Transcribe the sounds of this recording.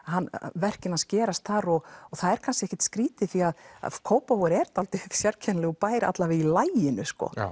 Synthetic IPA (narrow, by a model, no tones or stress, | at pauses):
ɦanːvɛr̥cɪnascɛːɾast̪θaɾɔɣɔθaðɛɾ̥kʰanscɪɛçcːɛ̥t̪skɾiːt̪ɪθiaða̰kʰoːwpawɛɾɛɾt̪alt̪ʏ̥sjaɾcʰɛnlɪɣɔpaːjɾa̰t̪lavɪðilaːjɪnʏskɔ̰